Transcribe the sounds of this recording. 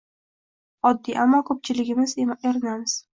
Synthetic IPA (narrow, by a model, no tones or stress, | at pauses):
ɒd̪ːiʔamːɒkʰɵp̚t͡ʃʰɪlɪɡʲɪmɪzeɾɪnamɪz̥